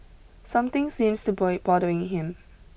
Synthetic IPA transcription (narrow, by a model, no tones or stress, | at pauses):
sãmt̪ɪ̃ŋsĩmstubɔɪb̥ɔdəɪ̃ŋɦɪ̃m